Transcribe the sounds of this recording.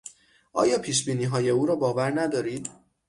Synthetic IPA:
ʔɒ̰ːjɒːpʰiːʃbiːniːɦɒːje̞uːɾɒːbɒːvæɾnæd̪ɒːɾiːd̪̥

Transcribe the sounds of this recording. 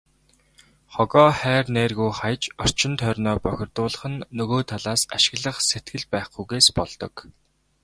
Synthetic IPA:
χɔɣɔːχæːrneːrɣujχajt͡ɕɔr̥t͡ɕɪ̆nt̪ʰœrʲnɔːpœxʲɪ̆rt̪ʊːɮə̆χə̆nːɵɣoːt̪ʰaɮaːsaʃɪ̥̆ɣɮə̆χset̪ɡɘ̆ɮpæːχɡujɣeːspɔɮt̪ɞ̆k

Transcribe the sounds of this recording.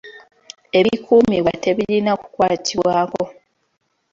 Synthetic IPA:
e̞βikʰuːmiwate̞βiɾinaku̥kwaːtʰiβwaːko̞

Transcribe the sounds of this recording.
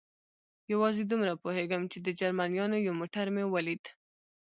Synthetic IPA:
jawɑzed̪umɾapoheɡamt͡ʃed̪əd͡ʒaɾmanjɑnojawmoʈaɾmewalid̪

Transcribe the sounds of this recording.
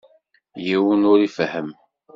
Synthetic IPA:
jiwənʊɾifhəm

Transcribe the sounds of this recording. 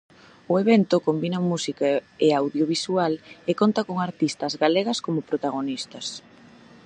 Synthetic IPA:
ʊeβɛnt̪ʊkombinɐmusikaeawðjoβisualekont̪ɐkoŋaɾt̪ist̪ɐzɣaleɣɐskomʊpɾot̪aɣonist̪ɐs

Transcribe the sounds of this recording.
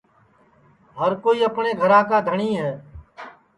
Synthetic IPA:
ɦəɾkoːiːəpɳeːɡʱəɾãːkaːd̪ʱəɳiːɦɛː

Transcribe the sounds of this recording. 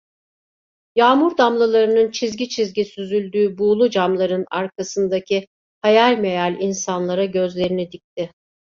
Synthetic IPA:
jaːmuɾd̪amlˠɯlˠaɾɯnɯnt͡ʃʰizɟit͡ʃʰizɟisyzylʲd̪yːbuːlˠud͡ʒamlˠaɾɯnaɾkʰasɯnd̪acʰi | hajalʲme̞jalʲinsanlˠaɾaɟø̞zlʲe̞ɾinid̪ic̚t̪ʰɪ

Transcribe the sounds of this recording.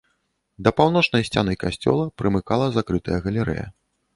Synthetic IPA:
d̪ɐpawn̪ɔt͡ʂnɐjsʲt͡sʲanɨjkasʲt͡sʲɔ̰lˠɐpɾɨmɨkalˠɐzakɾɨt̪ɐjɐɣɐlʲɛɾɛ̰jɐ̰

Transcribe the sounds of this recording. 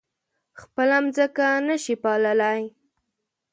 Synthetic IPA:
xpəlamzəkanəʃipɑləlaj

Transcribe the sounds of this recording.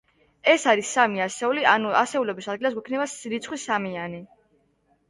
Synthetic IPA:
ɛsaɾisːamiasɛulianuasɛulɛbisad̪ɡilas̬ɡwɛkʰnɛbasɾit̪sʰχwisamiani

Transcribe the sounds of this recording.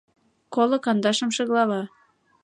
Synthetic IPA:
kolɤ̆kɑnd̪ɑʃɤ̆mʃɤ̆ɣlɑβɑ

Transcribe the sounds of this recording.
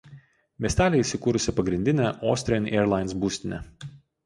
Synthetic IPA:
mʲiɛsʲt̪ʲæːlʲɛisʲɪkuːɾʊsʲɪpɐɡɾʲɪnʲd̪ʲɪnʲæʔoːsʲt̪ʲɾʲɪɔnʲeːɾlˠɑɪnsbuːsʲt̪ʲɪnʲɛ̰

